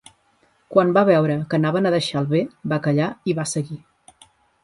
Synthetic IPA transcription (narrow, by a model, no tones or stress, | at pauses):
kwambaβɛwɾəkənaβənəðəʃalˠβebakəʎaiβasəɣi